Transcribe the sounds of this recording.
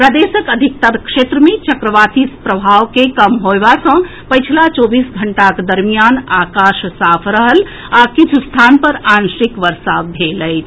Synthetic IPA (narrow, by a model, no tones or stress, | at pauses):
pɾəd̪esəkəd̪ʱik̚t̪əɾkʂet̪ɾəmet͡ʃəkɾəʋat̪ispɾəbʱaʋkekəmɦoebasə̃ | pəjt͡ʃʰilat͡ʃobisɡʱəɳʈaked̪əɾmijanakaʃsapʰɾəɦəl | akit͡ʃʰust̪ʰanpəɾansikʋəɾsabʱeləɪt͡ʃʰ